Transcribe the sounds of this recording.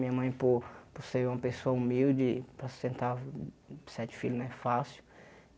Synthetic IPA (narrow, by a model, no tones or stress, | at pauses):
mĩɐmɐ̃j̃poposeɾũmɐpesoɐumiwd͡ʒɪpɾɐssẽnt̪a | sɛt͡ʃɪ̥filʊznɐ̃ɛfasɪʊ̥